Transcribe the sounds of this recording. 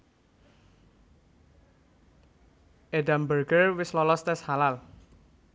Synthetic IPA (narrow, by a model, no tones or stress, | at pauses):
ʔedambərɡərwɪslɔlɔst̪ɛshalal